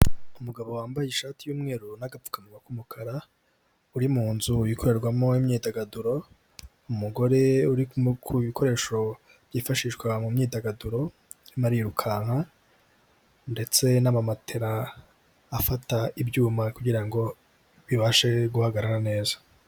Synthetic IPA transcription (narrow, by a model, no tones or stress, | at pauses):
umuɡaβo̞waːmbajiʃaːtijuːmŋe̞ːɾunaɡapp͡fu̥kanuakumukʰaɾa | uɾimuːnzujikʰo̞ɾe̞ɾɡwamo̞imɲiːdaɡaduɾo̞ | umuɡo̞ɾe̞uɾikkʰuβikʰo̞ɾe̞ːʃo̞ | b̥jiːfaʃiʃɡwamumɲiːdaɡaduɾo̞ | nimaɾiɾukʰaːŋha | nde̞t͡se̞namamatʰe̞ɾaː | fataibɟuːmakuɟiɾaŋɡo̞ | βiβaʃe̞ɡuhaɡaɾaɾane̞ːzḁ